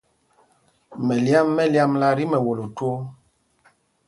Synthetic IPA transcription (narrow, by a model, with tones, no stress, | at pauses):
mɛ˨lja˦mːɛ˦lja˦mla˦ɾi˦mɛ˨wo˨lo˨two˦